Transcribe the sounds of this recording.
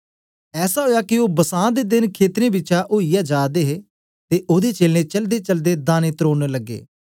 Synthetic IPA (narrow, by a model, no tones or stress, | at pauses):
ɛːsaːɦoːjaːkɪoːbəsãːd̪eːd̪ɪnkʰeːt̪ɾẽːbɪt͡ʃaːʔoːijaːd͡ʒaːd̪eːɦeː | t̪eːʔoːd̪eːt͡ʃeːlnẽːt͡ʃəld̪eːt͡ʃəld̪eːd̪aːnẽːt̪ɾoːnləɡːḛː